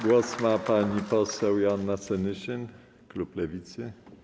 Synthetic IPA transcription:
ɡwɔsmapaɲipɔsɛwjanːasɛnɘɕɛn | kluplɛvʲit̪sɘ

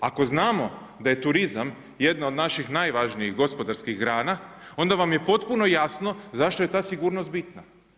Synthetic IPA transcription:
ako̞znaːmo̞ | d̪aje̞t̪uɾizam | jed̪naod̪naʃixnajʋaʒnijixɡo̞spo̞d̪aɾskixɡɾaːnao̞nd̪aʋamje̞po̞t̪puno̞jasno̞zaʃt̪o̞je̞t̪aːsiɡuːɾnost̪bit̪na

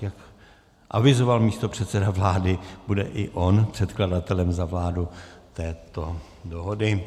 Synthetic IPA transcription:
jak | ʔa̰vɪzo̞valmiːst̪o̞pr̝̥ɛt̪sɛdavlaːdɪb̥udɛʔɪʔo̞npr̥ɛt̪kladat̪ɛlɛmzavlaːdut̪ɛːt̪o̞ | doɦodɪ

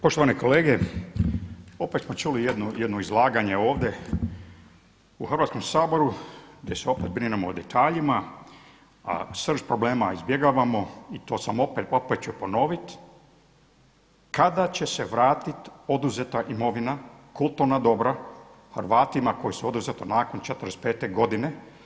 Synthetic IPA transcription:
poʃt̪oaneko̞leːɡe | o̞pet̪smo̞t͡ʃulijed̪nujed̪noizlˠaːɡaɲeo̞ːʋd̪e | uxrʋat̪sko̞msaːbo̞ɾuɡd̪jeseo̞pet̪̚bɾinemoːd̪et̪ʰaːʎima | a̰sr̩ʃpɾo̞bleːmaizbje̞ɡaːʋamo̞it̪o̞ːsamo̞pet̪o̞pet̪̚t͡ʃupo̞no̞ʋit̪ | kad̪at͡ɕe̞seʋɾaːt̪it̪o̞d̪uzet̪aʔimo̞ʋinakulˠt̪uɾnad̪o̞bɾa | hr̩ʋaːt̪imakojisuo̞d̪uzet̪onaːkont͡ʃet̪ɾespeːt̪eɡo̞d̪ine

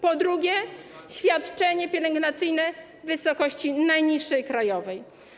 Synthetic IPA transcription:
pɔd̪ɾuɡʲjɛɕfʲjat̪t͡ʂɛɲɛpʲjɛlɛŋɡnat̪sɘjnɛ | vɘsɔkɔɕt͡ɕinajɲiʂːɛjkɾajɔvɛj

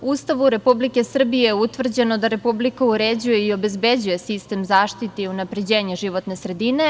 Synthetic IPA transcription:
ust̪aʋuɾe̞publike̞sr̩bijeut̪ʋr̩d͡ʑe̞no̞d̪aɾe̞publikauɾed͡ʑuje̞io̞be̞zbed͡ʑuje̞sist̪e̞mzaːʃt̪it̪iunapɾe̞d͡ʑe̞ːɲeʒiʋo̞t̪ne̞sɾe̞d̪ine̞

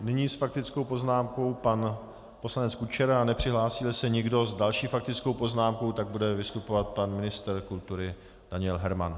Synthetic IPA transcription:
nɪɲiːsfak̚t̪ɪt͡skowpo̞znaːmko̞wpan | po̞slanɛt͡skut͡ʃɛɾaanɛpr̝̥ɪɦlaːsɪlsɛɲɪɡdo̞zdalʃiːfak̚t̪ɪt͡skowpo̞znaːmkowt̪aɡ̚budɛvɪst̪upovat̪̚panmɪnɪst̪ɾkult̪uɾɪ | d̥aɲɪɛlɦɛɾma̰n

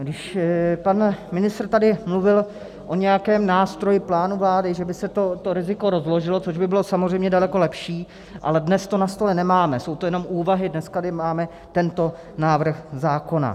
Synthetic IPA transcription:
ɡdɪʃpanmɪnɪst̪rt̪adɪmluvɪl | ʔo̞ɲɛjakɛːmnaːst̪ɾo̞jɪplaːnuvlaːdɪʒɛbɪsɛt̪ot̪oɾɪzɪko̞ɾo̞zlo̞ʒɪlot͡soʒbɪbɪlo̞samozrɛjmɲɛdalɛko̞lɛpʃiː | ʔa̰lɛdnɛst̪o̞nast̪o̞lɛnɛmaːmɛso̞wt̪ojɛno̞mʔuːvaɦɪdnɛskadɪmaːmɛ | t̪ɛnt̪o̞ | naːvr̩xzaːko̞na̰

